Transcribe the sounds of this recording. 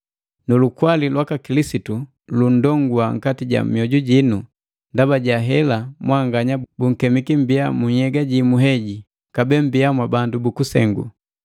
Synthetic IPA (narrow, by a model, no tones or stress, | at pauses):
nulukwalilwakakilisitu | lun̩dɔŋɡuaŋ̩katiɟa̰mjɔɟuɟinu | ndabaɟaɦɛlamwaŋɡaɲabuŋ̩kɛmikim̩biamuɲhɛɡaɟimuɦɛɟi | kabɛm̩biamwabandubukusɛ̰ŋɡṵ